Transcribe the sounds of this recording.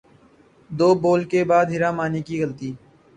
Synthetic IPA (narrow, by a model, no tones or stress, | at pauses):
d̪oːboːlkeːbaːd̪ɦɪɾãːmaːniːkiːɣəlt̪iː